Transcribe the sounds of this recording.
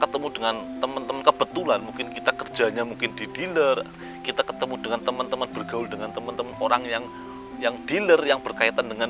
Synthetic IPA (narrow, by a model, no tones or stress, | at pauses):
kət̪əmudəŋant̪əmənt̪əmənkəb̥ət̪ulanmuŋkɪnkit̪akərd͡ʒa̤ɲamuŋkɪndid̥ilər | kit̪akə̥t̪əmudəŋant̪əmənt̪əmənb̥ərɡaʊldəŋant̪əmənt̪əmənoɾaŋjaŋ | jaŋd̥ilərjaŋb̥ərkait̪andəŋan